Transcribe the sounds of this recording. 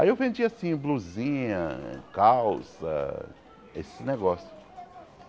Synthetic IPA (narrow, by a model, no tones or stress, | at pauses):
aiewvẽnd͡ʒiasĩbluzĩɲɐ̰kawsɐ̰ | esɪneɡɔsjʊ